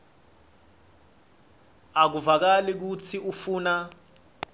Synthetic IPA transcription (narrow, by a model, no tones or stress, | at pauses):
ak̬uvak̬alik̬ut͡sʰiʔufuːna